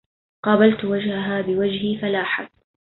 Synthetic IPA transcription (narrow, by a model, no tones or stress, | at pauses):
qɑːbalt̪wad͡ʒhaɦaːbɪwad͡ʒhifalaːħab̚